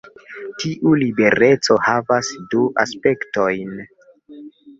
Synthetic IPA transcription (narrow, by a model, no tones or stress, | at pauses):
tiʔulibe̞ɾe̞t͡so̞havasduʔa̰spe̞kto̞jn